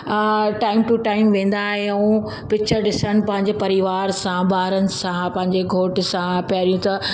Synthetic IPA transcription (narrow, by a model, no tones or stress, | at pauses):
ʈaːɪmʈuʈaːɪmʋẽːn̆d̪aːɦẽũ | pɪk̚t͡ɕʰəɾɗɪsəɽ̃ɪ̆pɐ̃ɦɪ̃ɲd͡ʑepɐɾiʋaːɾsãbaːɾənɪ̆sãpɐ̃ɦɪ̃ɲd͡ʑeɡʱoːʈɪsãpjaːɾijũt̪ɐ